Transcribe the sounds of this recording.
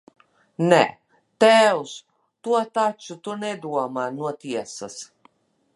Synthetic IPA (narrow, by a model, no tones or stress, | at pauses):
nɛ | t̪ɛws | t̪uɔt̪at͡ʃut̪unɛd̪uɔmaːnuɔt̪iɛsas